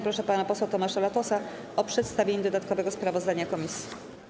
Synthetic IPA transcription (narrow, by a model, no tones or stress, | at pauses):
pɾɔʂɛpanapɔswɛwt̪ɔmaʂalat̪ɔsa | ɔpʂɛt̪st̪avʲeɲɛd̪ɔd̪at̪kɔvɛɡɔspɾavɔzd̪aɲakɔmʲisʲji